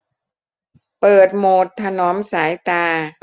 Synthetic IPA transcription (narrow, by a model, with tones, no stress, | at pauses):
pɤː˨˩t̪̚moː˨˩t̪ʰːa˧nɔː˨˦˥msaː˩˦jt̪aː˧